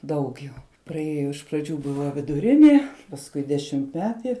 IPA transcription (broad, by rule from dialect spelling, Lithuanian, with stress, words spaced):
ˈdɐʊk jɛʊ prɐˈeːjoː ɪʃ prɐˈd͡ʒʲuː ˈbʊʋɐ ʋʲɪdʊˈrʲɪnʲeː pɐsˈkʊɪ dʲɛʃʲɪmʲtʲˈmʲæːtʲɪ